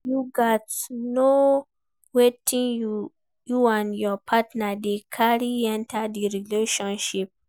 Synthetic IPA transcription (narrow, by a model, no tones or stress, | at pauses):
juɡɔtno | wetʰĩŋ | juãnjɔpʰatnadekʰaɹiɛ̃ntʰadiɹileʃɔ̃nʃip̚